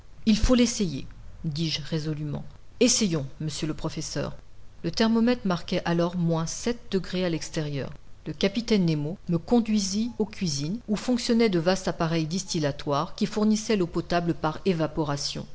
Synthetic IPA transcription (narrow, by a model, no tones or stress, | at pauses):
ilfolesejḛd̪iʒʁezɔlymɑ̰̃ | esejɔ̃məsjøləpχɔfɛsœ̰ːʁ | lət̪ɛʁmɔmɛt̪χmaʁkʲɛʔalɔʁmwɛ̃sɛt̪̚d̪əɡʁealɛkst̪eʁjœ̰ːʁləkapit̪ɛnːemoməkɔ̃d̪ɥiziokʲɥizinufɔ̃ksjɔnɛd̪əvast̪apaʁɛjd̪ist̪ilat̪waʁkʲifuʁnisɛlopɔt̪abləpaʁevapɔʁasjɔ̰̃